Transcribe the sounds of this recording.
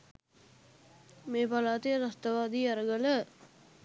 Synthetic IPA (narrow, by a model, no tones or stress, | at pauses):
meːpalaːt̪ijəɾast̪əʋaːd̪iːaɾəɡələ